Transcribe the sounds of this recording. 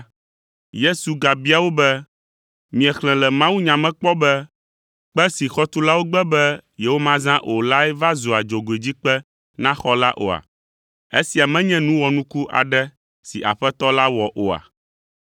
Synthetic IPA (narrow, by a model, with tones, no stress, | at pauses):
je˦su˨ɡa˨bi˦a˨wo˦bɛ˦ | mĩ˨ɛ˨xlɛ̃˨lɛ˨mã˦wu˦ɲã˨mɛ̃˦k͡pɔ˦bɛ˦ | k͡pɛ˦si˨xɔ˦t̪u˦la˦wo˦ɡ͡bɛ˦bɛ˦jɛ˨wo˦mã˦zã˦ʔo˨la˦ɛ˦va˦zo˨a˨d͡ʒo˨ɡo˨e˨d͡ʑi˦k͡pɛ˦ | nã˦xɔ˦la˦ʔo̰˨a̰˨ | e˦si˨a˨mɛ̃˦ɲɛ̃˦nũ˦wɔ˨nũ˦ku˦ʔa̰˨ɖɛ˦ | sḭ˨ʔa̰˨ɸɛ˦t̪ɔ˦la˦wɔ˨ʔo˨a̰˨